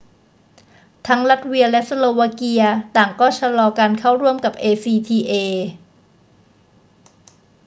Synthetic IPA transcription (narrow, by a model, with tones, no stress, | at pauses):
t̪ʰa˦˥ŋɾa˦˥t̪̚wi˧ɐlɛ˦˥sa˧loː˧wa˧ki˧ɐt̪aː˨˩ŋkɔː˥˩t͡ɕʰa˧lɔː˧kaː˧nkʰa˥˩wɾu˥˩əmka˨˩p̚ʔeː˧siː˧t̪ʰiː˧ʔeː˧